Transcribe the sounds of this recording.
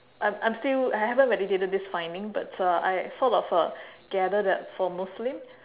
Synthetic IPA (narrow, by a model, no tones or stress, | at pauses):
ʔãmãj̃mstilajhɛvə̃nt̚ɹɛditetəd̚disfãɪ̃ndĩŋba̰tʰaa̰jθɔtɔfəɡ̥ɛdədɛtfɔmuslɪ̃m